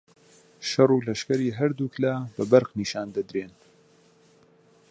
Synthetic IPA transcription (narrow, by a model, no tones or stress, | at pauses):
ʃɐrˤuːlɐʃkɐɾiːɦɐɾd̪uːklaːbɐbɐɾqniːʃaːnd̪ɐd̪ɾeːn